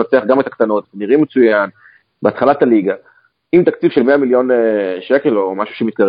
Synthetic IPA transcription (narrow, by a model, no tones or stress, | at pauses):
ot͡seaχɡamet̪akt̪ano̞t̪veniʁimːet͡sujan | beat̪χalat̪aliɡa | imt̪akt͡sifʃe̞lmeamiljo̞neʃeke̞lomaʃuʃemit̪̚kaʁ